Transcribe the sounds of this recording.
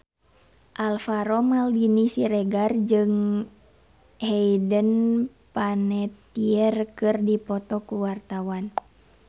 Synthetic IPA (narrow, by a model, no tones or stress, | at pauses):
ʔalfaɾɔmaldinisiɾɛɡard͡ʒɨŋ | hɛidən | panɛt̪iərkɨrdipɔt̪ɔkuwart̪awan